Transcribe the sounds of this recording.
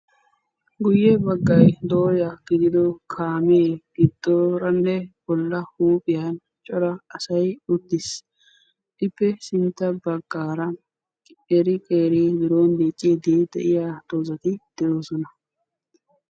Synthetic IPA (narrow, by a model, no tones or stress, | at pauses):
ɡʊjːɛbɐɡːɐjd̪oːjɐɡ̥ɪd̪ɪd̪ɔkʰaːmeːɡ̥ɪd̪̥ːoɾɐnːɛb̥ɔlːɐhuːpʼɪjan | t͡ʃʼɔɾɐɐsɐjʊd̪ːɪs | ʔɪpːɛsɪnt̪ːɐbɐɡːaːɾɐ | ɛɾɪkʼeːɾiːd̪ɪɾo̞ːnd̪eːt͡ʃʼːeːd̪iːd̪ɛ̰ʔɪjaːt̪oːzɐt̪ɪd̪̥ɛoːsɔnɐ